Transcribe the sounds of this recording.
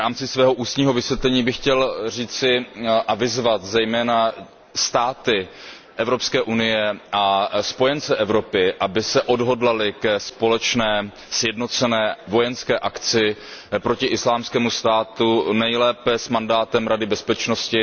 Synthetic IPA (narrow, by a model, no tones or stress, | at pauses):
ɾaːmt͡sɪsvɛːɦo̞ʔuːst̪ɲiːɦo̞vɪsvjɛt̪lɛɲiːbɪxcɛlr̝iːt͡sɪʔavɪzvat̪zɛjmɛːna | st̪aːt̪ɪ | ʔɛvɾo̞pskɛːʔunɪjɛʔaspo̞jɛnt͡sɛʔɛvɾo̞pɪʔabɪsɛʔodɦo̞dlalɪkɛspo̞lɛt͡ʃnɛː | sjɛdno̞t͡sɛnɛːvo̞jɛnskɛːʔakt͡sɪpɾocɪʔɪslaːmskɛːmust̪aːt̪unɛjlɛːpɛsmandaːt̪ɛmɾadɪbɛspɛt͡ʃno̞scɪ